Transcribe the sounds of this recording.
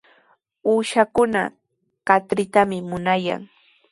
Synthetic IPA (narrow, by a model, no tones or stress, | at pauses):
uːʃakʊna̰ | kat̪ɾɪt̪amɪmʊnaja̰ŋ